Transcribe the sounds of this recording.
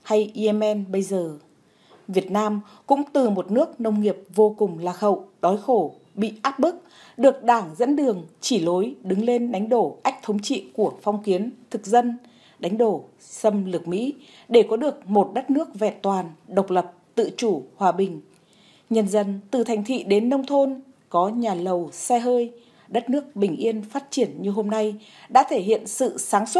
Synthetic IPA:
ha˧jʔi˧ʔɛ˧mʔɛ˧nɓə˧jzəː˨˩ | vi˨˩ət̚naː˧m | kʊ̰˧˥ŋ͡mt̪ɨ˨˩mo˨˩t̚nɨ˦˥ək̚nə˧wŋ͡mŋi˨˩əp̚vo˧kʊ˨˩ŋ͡mlaː˨˩xə̰˧˨wɗɔ˨˦jxo˧˩ | ɓḭ˧˨ʔaː˦˥p̚mɨ˦˥k̚ | ɗɨ˨˩ək̚ɗaː˧˩ŋzə̰˧˥nɗɨ˨˩əŋt͡ɕi˧˩lo˨˦jɗɨ˨˦ŋle˧nɗa˨˦jŋ̟ɗo˧˩ʔa˦˥k̟̚t̪ʰə˨˦wŋ͡mt͡ɕḭ˧˨ku˧˩əfa˧wŋ͡mki˨˦ənt̪ʰɨ˨˩k̚zə˧n | ɗa˨˦jŋ̟ɗo˧˩ | sə˧mlɨ˨˩k̚mḭ˧˥ | ɗe˧˩kɔ˨˦ɗɨ˨˩ək̚mo˨˩t̚ɗə˦˥t̚nɨ˦˥ək̚vɛ̰˧˨nt̪waː˨˩nɗə˨˩wk͡p̚lə˨˩p̚t̪ɨ̰˧˨t͡ɕu˧˩hwaː˨˩ɓï˨˩ŋ̟ | ɲə˧˩nzə˧nt̪ɨ˨˩t̪ʰjŋ̟t̪ʰḭ˧˨ɗe˨˦nːə˧wŋ͡mt̪ʰo˧n | kɔ˨˦ɲaː˨˩lə˨˩wsɛ˧ɦəː˧j | ɗə˦˥t̚nɨ˦˥ək̚ɓï˨˩ŋ̟ʔi˧ənfaː˦˥t̚t͡ɕi˧˩ənɲɨ˧ɦo˧mna˧j | ɗa̰ː˧˥t̪ʰe˧˩ɦhḭ˧˨ənsɨ̰˧˨saː˨˦ŋswə˦˥t̚

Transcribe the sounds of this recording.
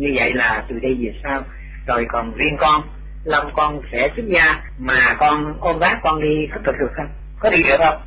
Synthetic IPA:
ɲɨ˧və̰˧˨jlaː˨˩t̪ɨ̰˨˩ɗə˧jvi˨˩saː˧w | zo˨˩jkɔ˨˩nvi˧ənkɔ˧n | lə˧ŋ͡mkɔ˧nsɛ̰˧˥sɨ˦˥k̚zaː˧ | maː˨˩kɔ˧nʔo˧nvaː˦˥k̚kːɔ˧nɗi˧xə˦˥p̚t̪̚ʰɗɨ˨˩ək̚ə˧wŋ͡m | kɔ˨˦ɗ̪i˧ɗɨ˨˩ək̚ə˧wŋ͡m

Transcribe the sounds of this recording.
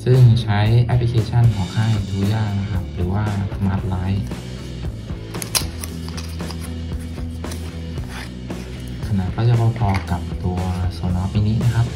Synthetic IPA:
sɯ˥˩ŋt͡ɕʰa˦˥jʔɛ˧˦˥pʰli˧kʰeː˧t͡ɕʰa˥˨nkʰɔː˩˦ŋkʰaː˥˩jduː˧˩jaː˥˩k̚na˦˥kʰa˦˥p̚ɾɯː˩˦waː˥˩sa˧maː˦˥t̪̚laː˦˥j | kʰa˧˩na˨˧˩kʰaː˧˥˩t͡ɕa˧˩baː˧˩pʰɔː˧ka˨˩p̚t̪u˧ɐso˩˦nɔː˦˥p̚ma˧niː˦˥˨na˦˥kʰa˦˥p̚

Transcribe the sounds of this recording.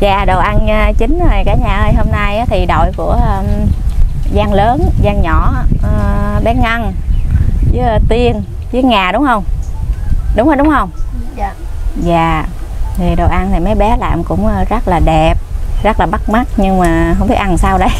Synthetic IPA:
zaː˨˩ɗo˨˩wʔa˧nː˧t͡ɕï˨˦ŋ̟ə˨˩jkaː˨˩˦ɲaː˨˩ʔəː˧jɦo˧mna˧jaː˨˦t̪ʰi˨˩ɗo̰˧˨jku˧˩ə˧ | zaː˧ŋləː˨˦nzaː˧ŋɲɔ˧˩˨ | ɓɛ˨˦ŋa˧n | zɨ˨˦˧t̪i˧ən | zɨː˨˦ŋaː˨˩ɗʊ˨˦ŋ͡mhə˧wŋ͡m | ɗʊ˨˦ŋ͡mhə˧ɗʊ˨˦ŋ͡mhə˧wŋ͡m | za̰ː˨ŋɨ˨˩əjɗo˨˩ʔa˧nt̪ʰi˨˩ma˨˦jɓɛ˨˦la̰ː˧˨mkʊ̰˧˥ŋ͡mːzə˦˥t̚laː˨˩ɗɛ˨˩p̚zə˦˥k̚laː˨˩ɓa˦˥k̚ma˦˥k̚ɲɨ˧ŋmaː˨˩ɦə˧ŋ͡mɓi˦˥t̚ʔ̚a˧nsaː˧wɗə˧˨˦j

